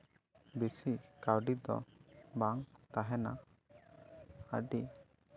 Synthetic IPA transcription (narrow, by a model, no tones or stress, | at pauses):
bisikawɖid̪ɔ̰baŋt̪aɦɛna̰ | a̰ɖi